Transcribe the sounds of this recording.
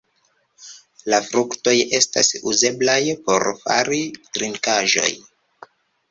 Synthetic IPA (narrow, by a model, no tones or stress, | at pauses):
lafɾukto̞je̞sta̰suze̞blajpo̞̰ɾfa̰ɾitɾiŋkaʒo̞̰j